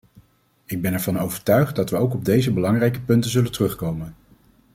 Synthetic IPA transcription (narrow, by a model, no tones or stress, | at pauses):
ɪɡ̚bɛnɛɹvɑnowvəɹtœɥχt̚dɑtʋəowkɔb̚dejzəbəlɑŋrɛjkəpɵntəzɵləntərɵχkowmən